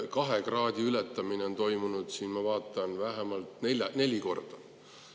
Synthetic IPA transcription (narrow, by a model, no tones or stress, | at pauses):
kɑɦekrɑːd̪̥ʲiylɛt̪ːˑɑmineo̞nt̪o̞jmunud̪̥siːnmɑvɑːt̪ːˑɑnvæɦemɑlt̪nelɑne̞lʲiko̞rd̪̥ɑ